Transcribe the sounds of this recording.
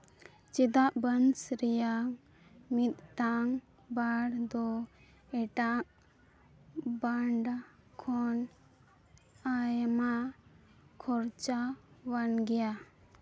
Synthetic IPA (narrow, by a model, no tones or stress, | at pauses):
t͡ʃɛd̪aʔbənsɾɛjaŋ | mit̪̚ːaŋ | baɽd̪ɔ | ɛʈaʔ | baɳɖa | kʰɔn | ajma | kʰɔɾt͡ʃawanɡɛja